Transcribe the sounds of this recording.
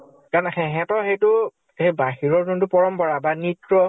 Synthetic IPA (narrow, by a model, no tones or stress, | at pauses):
kaɹnɛxɛɦɛ̃tɔxejtʊ | hejbaxiɹɔɹkuntʊpɔɹɔmpɔɹabanitɹɔ